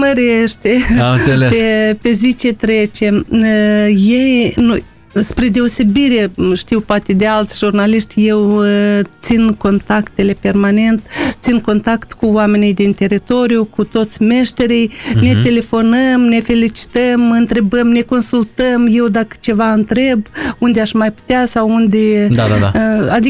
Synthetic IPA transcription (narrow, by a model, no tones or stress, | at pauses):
məɾeʃt̪e | pepe̞zit͡ʃe̞t̪ɾe̞t͡ʃe̞m | je̞jnuj | spɾe̞d̪e̞ose̞biɾe̞ʃt̪iwpoat̪e̞d̪e̞alt̪sʲʒurnaliʃt̪ʲje̞wt̪sinko̞nt̪akt̪e̞le̞pe̞rmane̞nt̪sinko̞nt̪akt̪kuoame̞nijd̪int̪e̞ɾit̪o̞ɾiukut̪o̞t̪sʲme̞ʃt̪e̞ɾijne̞t̪e̞le̞fo̞nəmne̞fe̞lit͡ʃi̥t̪əmɨnt̪ɾe̞bəmne̞ko̞nsult̪əmje̞wd̪akə̥t͡ʃe̞vaɨnt̪ɾe̞bund̪eaʃmajpu̥t̪easawund̪eaaa̰ad̪i